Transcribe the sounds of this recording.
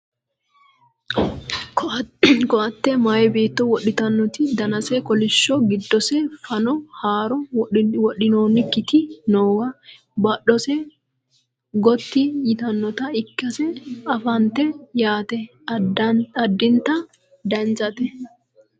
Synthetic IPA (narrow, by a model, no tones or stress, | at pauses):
kɔɐt̪ːɛmajɛbe̞ːt̪ːɔwɔɗːɪt̪ɐnːɔt̪ɪd̪ɐnɐsɛkɔlɪʃːɔɡɪd̪ːɔsɛfɐnɔhaːɾɔwɔɗɪnoːnɪkːɪt̪ɪnoːwɐ | bɐɗɔsɛ | ɡɔt̪ːɪjɪt̪ɐnːɔt̪ɐɪkːɐsɛɐfɐnt̪ːɛjaːt̪ɛ | ɐd̪ːɪnt̪ːɐ | d̪ɐnt͡ʃɐt̪ɛ